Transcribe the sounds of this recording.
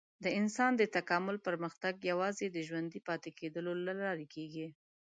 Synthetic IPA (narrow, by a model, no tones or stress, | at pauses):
d̪əɪnsɑnd̪ət̪akɑmʊlpəɾməxt̪aɡjawɑzed̪əʒwand̪ipɑt̪ekʰed̪əlolalɑɾekʰeɡi